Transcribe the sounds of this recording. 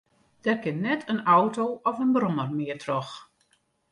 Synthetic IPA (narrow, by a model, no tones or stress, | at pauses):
d̥ɛrkɪnnɛtʰənɔwtowɔfənbrɔmərmɪətʰrɔx